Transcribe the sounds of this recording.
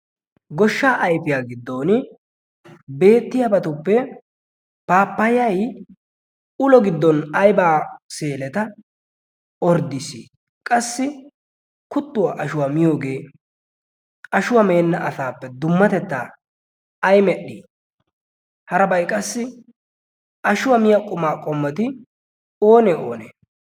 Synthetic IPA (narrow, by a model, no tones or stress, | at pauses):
ɡɔʃːaːʔɐjfɪjaːɡɪd̪ːo̞ːnɪ | be̞ːt̪ːɪjabɐt̪ʊpːɛ | paːpːɐjɐj | ʊlɔɡɪd̪ːɔnɐjbaːse̞ːlɛt̪ɐ | ɔɾd̪ɪsi | kʼɐsːɪ | kʊt̪ːʊwaʔɐʃʊwamɪjo̞ːɡe̞ː | ɐʃʊwɐme̞ːnːɐʔɐsaːpːɛd̪ʊmːɐt̪ɛt̪ːa̰ː | ɐjmɛɗːiː | hɐɾɐbɐjkʼɐsːɪ | ʔɐʃʊwɐmɪjakʼʊmaːkʼɔmːɐt̪ɪ | oːnɛʔo̞̰ːnḛː